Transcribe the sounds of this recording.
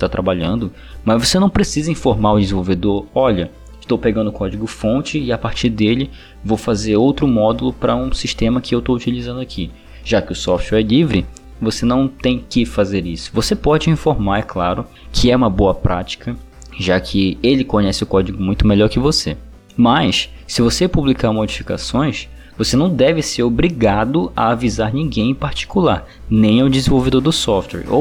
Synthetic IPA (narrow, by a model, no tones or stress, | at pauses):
ɪʃt̪at̪ɾʔabaʎɐ̃nd̪ʊ | mɐzvosenɐ̃w̃pɾesizɐĩfoɾmaɾʊd͡ʒɪzĩvowved̪oɾɔʎɐ | ɪʃt̪owpeɡɐ̃nd̪ʊkɔd͡ʒiɡʊfõnt͡ʃɪːapaɾt͡ʃiɾd̪elɪ | vowfazeɾowt̪ɾʊmɔd̪ʊlʊpɾɐũsiʃt̪ẽmɐkɪewt̪owut͡ʃilizɐ̃nd̪ʊakʰi | ʒ̥akɪʊsɔft̪ɛɛlivɾɪ | vosenɐ̃w̃t̪ẽj̃kɪfazeɾisʊ̥vosepɔd͡ʒɪĩfoɾmaɾɛklaɾʊ | kʰɪɛũmɐboɐpɾʔa̰t͡ʃi̥kʰɐ | ʒakʰɪelɪkõɲɛsɪʊkɔd͡ʒiɡʊmũj̃t̪ʊmeʎɔɾkɪvose | mɐjsː | ɪvosepublikaɾmod͡ʒifi̥ka̰sõj̃s | vosenɐ̃w̃d̪ɛvɪseɾobɾiɡad̪ʊa̰avizaɾnĩɡẽj̃ẽj̃paɾt͡ʃi̥kula̰ɾ | nẽj̃awd͡ʒɪzẽvowved̪oɾd̪ʊsɔft̪wɛ̰ɾo̰